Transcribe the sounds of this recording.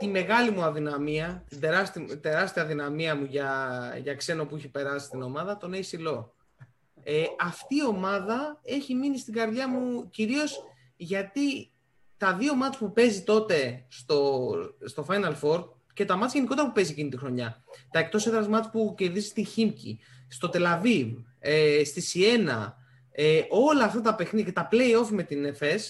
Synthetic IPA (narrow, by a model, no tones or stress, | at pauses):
t̪ime̞ɣɐlimuɐðinɐmiɐt̪id̪eɾɐst̪id̪e̞ɾɐst̪iɐðinɐmiɐmuʝɐʝɐkse̞no̞puiçepe̞ɾɐsi̥st̪ino̞mɐðɐt̪o̞ne̞isilo̞ | eɐft̪iːo̞mɐðɐe̞çiminist̪iɡɐɾðʝɐmuciɾio̞s | ʝɐt̪i | t̪ɐðio̞mɐt̪t͡spupe̞zit̪o̞t̪e̞st̪o̞st̪o̞fɐjnɐlfo̞ɾd̪ | ce̞t̪ɐmɐt̪t͡sʝe̞niko̞t̪eɾɐpupe̞ziecinit̪ixɾo̞ɲɐt̪ɐe̞kt̪o̞seðɾɐzmɐt̪t͡spuce̞ðizist̪içimcḭ | st̪o̞t̪e̞lɐvivest̪isie̞nɐ̰ | eʔo̞lɐːft̪ɐt̪ɐpe̞xniðce̞t̪ɐple̞io̞fime̞t̪inefe̞s